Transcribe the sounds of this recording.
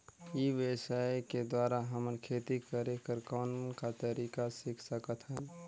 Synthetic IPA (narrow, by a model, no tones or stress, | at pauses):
jiʋəsaeked̪waːɾaɦəməɾkʰet̪ikəɾekəɾkaːnkat̪əɾikasɪkʰsəkət̪ɦən